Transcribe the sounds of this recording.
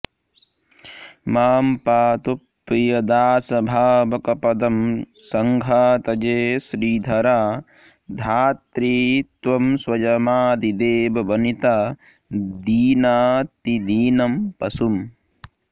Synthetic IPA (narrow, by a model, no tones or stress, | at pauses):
maːmpaːt̪upːijɐd̪aːsɐbʱaːbɐkɐpɐd̪ɐm | sɐŋɡʱaːt̪ɐd͡ʒeːsɾiːd̪ʱɐɾaː | d̪ʱaːt̪ɾiːt̪ʋɐmswɐd͡ʒɐmaːd̪id̪eːbɐbɐnit̪aː | d̪iːnaːt̪id̪iːnɐmpɐsum